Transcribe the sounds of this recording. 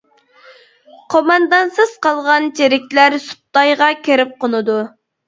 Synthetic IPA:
qʰomɑnd̪ɑnsɨz̥qɑlˠʁɑnt͡ʃʰeɾɪk̚ʲlæɾsu̥t̪ːɑjʁɑkʲʰeɾɪp̚qonɨd̪u

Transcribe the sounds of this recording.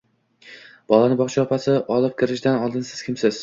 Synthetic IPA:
b̥ɒlˠanɪbɒχt͡ʃʰaɒpʰasɪʔɒlˠɪp̚kʲɪɾɪʃd̪anɒlˠd̪ɪnsɪ̥z̥kʲɪmsɪz̥

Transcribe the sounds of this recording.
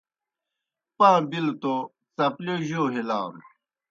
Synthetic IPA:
pãːbilt̪o | t͡sɐploʑoːɦilaːm

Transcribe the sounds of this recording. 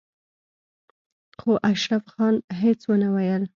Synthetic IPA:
xoʔaʃɾafxɑnɦet͡swənawajəl

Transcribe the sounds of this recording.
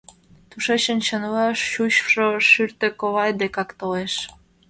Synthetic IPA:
t̪uʃeɕə̆nt͡ɕənvɑʃːuɕʃoʃyrt̪ĕkoβɑjd̪ekɑkt̪oleʃ

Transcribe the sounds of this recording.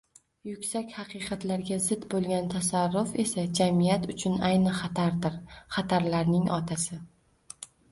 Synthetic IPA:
jʊkʲsakʲhɑqʰɨqʰɑt̪laɾɡʲazɪd̪bolˠɡʲant̪ʰasaɾːʊfe̞sad͡ʒamijat̪ʊt͡ʃʰʊnajnɪχt̪aɾd̪ɪɾχɑt̪ʰaɾlaɾnɪŋʔɒ̰t̪ʰasɪ

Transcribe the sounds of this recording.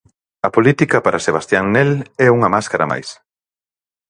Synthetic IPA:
ɐpolit̪ikɐpaɾʔaseβ̞ast̪jaŋnɛlɛuŋɐmaskaɾa̰ma̰js

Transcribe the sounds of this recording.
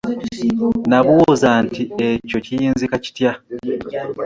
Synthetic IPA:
naβuwuzantieco̞cijiːnzikaci̥tja

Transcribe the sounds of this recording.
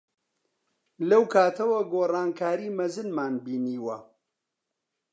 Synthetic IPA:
lɐwkʰaːt̪ʰɐwɐɡoːrˤɑːnkʰaːɾiːmɐzɨnmaːnbiːniːwɐ

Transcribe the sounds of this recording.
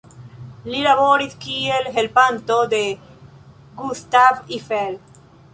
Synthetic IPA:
liɾaβoːɾit̪kiːelɦelpant̪od̪e | ɡust̪avifel

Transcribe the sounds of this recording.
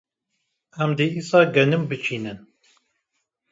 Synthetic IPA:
æmd̪eisɑɡænəmbət͡ʃinən

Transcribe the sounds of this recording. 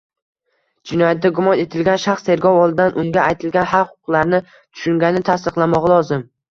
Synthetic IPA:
d͡ʒɪnɒjat̪̚d̪aɡʊmɒne̞t̪ʰɪlɡʲanʃaχst̪ʰe̞ɾɡʲɒwɒlˠd̪ɪd̪anʔʊŋɡʲaajt̪ʰɪlɡʲanhalχʊ̥ʊqlˠaɾnɪ | t̪ʰʊ̥ʃʊŋɡʲanɪt̪ʰast̪ɨqlˠamɒʁɑlˠɒzɪm

